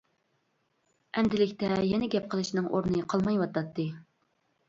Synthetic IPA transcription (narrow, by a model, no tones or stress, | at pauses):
ɛnd̪ɪlɪkʲt̪ɛjɛnɛɡʲɛp̚qʰəlˠɨʃnɨŋʔo̰ɾnɨqʰɑlˠmɑjwɑt̪ɑt̪ːɨ